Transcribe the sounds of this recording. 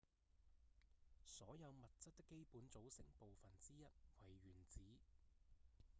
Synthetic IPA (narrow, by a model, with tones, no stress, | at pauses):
sɔː˨˥jɐ˨˧wmɐ˨t̚t͡sɐ˥t̚t̪ɪ˥kːe˥jpuː˨˥nt͡so˨˥wsɪ˨˩ŋpo˨wfɐ˨nt͡siː˥jɐ˥t̚wɐ˨˩jɥyː˨˩nt͡siː˨˥